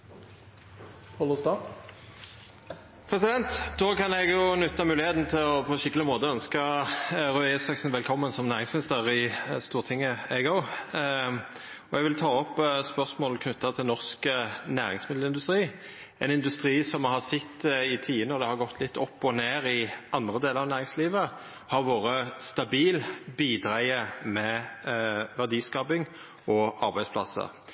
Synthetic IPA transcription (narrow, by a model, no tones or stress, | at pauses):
pʰɔlɔst̪ɑ | pʰʁɛsɪd̪ɛnt̪d̪oːkɑnɛɡjʊnʉt̪ːɑmʉːlɪheːt̪n̩t̪ʰɪlɔpʰɔɛʃɪkːəlɪmoːt̪əœnskəɾʉɛsɑksn̩ʋɛlkʰɔmːənsɔmnæːʁɪŋsmɪnɪst̪əʁɪst̪uːʁt̪ʰɪŋːəæɡoʊ | ɔɛɡʋɪlt̪ʰɑːɔpːspœʁsmoːlkʰnʉt̪ːɑt̪ʰɪlnɔʁskənæːʁɪŋsmɪd̪l̩ɪnd̪ʉst̪ɾiː | ɛnɪnd̪ʉst̪ɾiːsɔmhɑsɪt̪ːɪt̪ʰiːənəɔd̪ɛhɑʁɡɔt̪ʰːlɪt̪ːɔpːɔneːɾɪʔɑnd̪ʁəd̪eːləɾɑʋnæːʁɪŋsliːʋə | hɑɾʋoːʁəst̪ɑbiːlbiːd̪ɾæɪəmɛ | ʋæʁd̪iːskɑbɪŋ | ʔɔɑɾbæɪspʰlɑ̰sːə̰